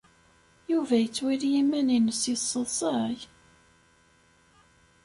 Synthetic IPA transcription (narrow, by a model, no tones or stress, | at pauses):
juvæjət͡sːwiɾjimːæninəsisˤːəðˤsˤɑj